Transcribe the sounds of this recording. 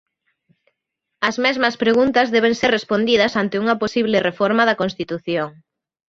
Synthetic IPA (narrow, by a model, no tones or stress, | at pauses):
ɐzmɛzmɐspɾeɣunt̪ɐzðɛβ̞eŋserespond̪iðɐsant̪ɪuŋɐposiβlerefɔɾmɐðɐkõnst̪it̪uθjoŋ